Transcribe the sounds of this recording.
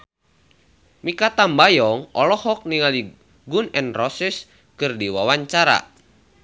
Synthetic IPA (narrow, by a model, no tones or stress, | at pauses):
mikat̪ambajɔŋɔlɔhɔk̚niŋali | ɡunɛnrɔsis | kɨrdiwawaɲt͡ʃaɾa̰